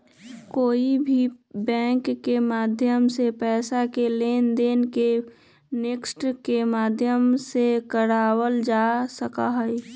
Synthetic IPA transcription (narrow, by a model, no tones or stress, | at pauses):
koːibʱibɛ̃ːŋkːemaːd̪ʱjəmsepɛːsakeleːnd̪eːnke | neksʈkemaːd̪ʱjəmsekəɾaːwəld͡ʒaːsəkaɦɛ